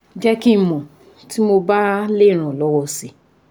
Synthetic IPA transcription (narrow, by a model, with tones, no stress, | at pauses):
d͡ʒɛ˦ki˦˨mɔ̃˨ | ti˨˦mo˧ba˦le˦˨ɾ̃ã˨lɔ˨˦wɔ˧si˨